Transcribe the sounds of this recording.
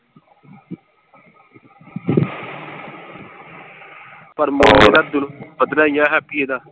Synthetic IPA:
pəɾmoːleːd̪aːd̪ʊnbəd̪naːjaːɦɛːpiːeːd̪aː

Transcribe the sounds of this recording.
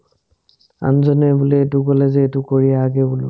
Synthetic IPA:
a̰nzɔnɛbulɛetʊkɔlɛzɛːtʊkoɹijaɡɛbulʊ̰

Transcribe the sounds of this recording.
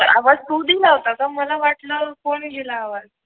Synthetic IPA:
əɾa̰ʋad͡zt̪ud̪ilaɦt̪at̪əməlaʋaʈləkoɳɡelaːʋad͡z

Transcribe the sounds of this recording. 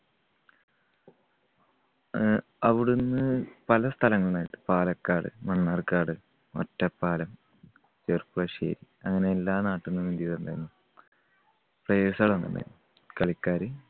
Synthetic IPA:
ɐʋiɽunːɨpɐlɐst̪ʰɐlɐŋːɐɭaːjit̪ːɨ̥paːlɐkːaːɽɨ̰mɐɳːaːrkːaːɽɨ | o̰tːɐpːaːlɐm | t͡ɕerpuɭɐʂḛːɾi | ɐŋːɐne̞ːlːaːnaːʈːinːɨmind̪jiðend̪a̰ːjinːu | prɐjeːsɐɣɭonːɐ̰ndɐ̰jḭnːu | kɐɭikːaːɾɨ

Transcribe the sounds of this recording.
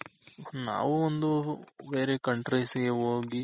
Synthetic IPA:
na̰ːʋuond̪ube̞ːɾekɐɳʈɾejsiɡeɦoːɡi

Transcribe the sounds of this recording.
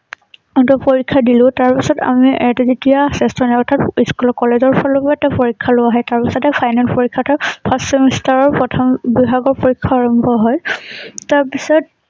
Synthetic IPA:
ɔntɔpoɹikʰːadilʊ̃taɹpisɔta̰miʔɛtɛzetiasɛstɹɔnajɔtʰatiskulɔkɔlezɔɹpʰɔlɔpɔatɛpoɹikʰːalʊwaɦɔjtaɹpisɔtɛpʰajnalpoɹikʰːatʰɔpʰastɔmistaɹɔɹpɹɔtʰɔmbibʱaɡɔɹpoɹikʰːaːɹɔmbʱɔɦɔjtaɹpisɔt̚

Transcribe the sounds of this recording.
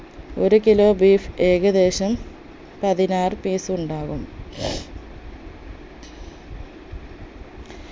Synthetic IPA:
o̞̰ɾukilo̞ːbiːfe̞ːɣɐðe̞ːɕɐm | pɐðinaːrɨpiːsuɳɖaːʋum

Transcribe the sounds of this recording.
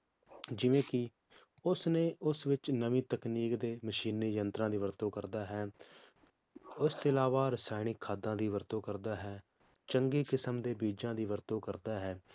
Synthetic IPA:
d͡ʒɪʋẽːkɪ | ʊsnẽːʊsʋɪt͡ʃnəʋĩːt̪əkniːkd̪eːməʃiːniːjənt̪ɾãːd̪iːʋəɾt̪õːkəɾd̪aːɦɛː | ʊst̪oːɪlaːʋaːɾɪsaːɪnɪkʰːaːd̪ãːd̪iːʋəɾt̪õːkəɾd̪aːɦɛː | t͡ʃəŋɡeːkɪsəmd̪eːbiːd͡ʒãːd̪iːʋəɾt̪õːkəɾd̪aːɦɛː

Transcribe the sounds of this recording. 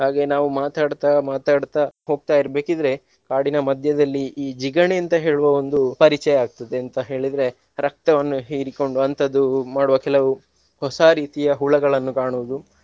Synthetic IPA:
ɦaːɡenaːʋumaːt̪aːɽt̪amaːt̪aːɽt̪ɐɦo̞ːɡ̚t̪aːjiɾbe̞ːkid̪ɾe̞ | kaːɽinɐmɐd̪ʱjɐd̪ɐlːiiːd͡ʒiɡɐɳeːnt̪ɐɦe̞ːɭuʋɐo̞nd̪upɐɾit͡ʃɛjɐaːɡ̚t̪ɐd̪eɐnt̪ɐɦe̞ːɭid̪ɾe̞ | ɾɐk̚t̪ɐʋɐnːuɦiːɾiko̞ɳɖuɐnt̪ʰɐd̪ːumaːɽuʋɐkɛlɐʋu | hɔsaːɾiːt̪ijɐɦuːɭɐɡɐɭɐnːukaːɳuʋud̪u

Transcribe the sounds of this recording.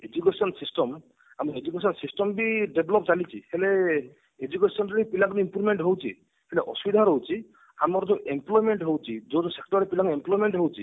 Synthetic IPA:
ed͡ʒukesɔnsisʈɔm | amɔed͡ʒukesɔnsisʈɔmbiɖebʱlɔpt͡ʃalit͡ʃʰihele | ed͡ʒukesɔnɾipilakɔnimpuɾmeɳʈɦowt͡ʃʰḭ | heleʔɔ̰subid̪ʱaɾɦowt͡ʃʰi | a̰mɔɾɔd͡ʒɔwʔemplɔjmeɳʈɦowt͡ʃʰid͡ʒod͡ʒosek̚ʈɔɾɾepilakemplɔjmeɳʈɦowt͡ʃʰi

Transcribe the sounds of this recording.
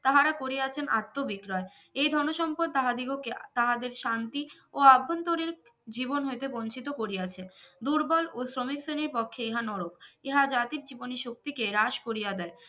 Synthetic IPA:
t̪aɦaɾakoɾeat͡ɕʰenʔat̪ːobikɾɔe | ejd̪ʱɔnoʃɔmpoɾd̪̚t̪aɦad̪iɡoket̪aɦad̪eɾʃant̪i | oabʱːont̪oɾiɾd͡ʑibonɦojt̪ebont͡ɕʰit̪okoɾiat͡ɕʰed̪uɾbɔlosɾomikseniɾpɔkʰːeeɦanɔɽokeɦad͡ʑat̪iɾ̚d͡ʑiboniʃok̚t̪ikeɾaʃkoɾijad̪ɛe

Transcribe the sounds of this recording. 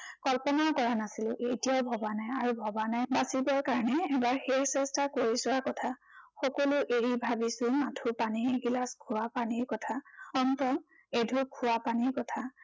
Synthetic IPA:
kɔlpɔnakɔɹanasilʊʔejtijaʊbʱɔbanajaɹubʱɔbanajbasibɔɹkaɹɔnɛːbaɹxexsɛstakoɹisʊaɹkɔtʰa | xɔkɔlʊʔeɹibʱabisʊmatʰupanieɡilaskʰʊwapaniɹkɔtʰaɔntɔm | edʱukʰʊwapaniɹkɔtʰa

